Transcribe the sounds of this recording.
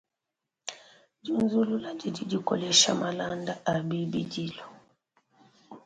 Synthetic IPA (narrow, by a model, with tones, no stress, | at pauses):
d͡ʒu˦nzu˦lu˦la˦d͡ʒi˨d͡ʒi˨d͡ʒi˨kɔ̰˨lɛ˦ʃa̰˦ma˨la˦nda˦ʔa˨bi˦bi˦d͡ʒi˦lɔ˨